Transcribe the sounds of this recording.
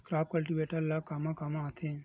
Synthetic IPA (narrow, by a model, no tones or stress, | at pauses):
kɾap̚kəlʈiʋeʈəɾlakamãkamãət̪ʰẽ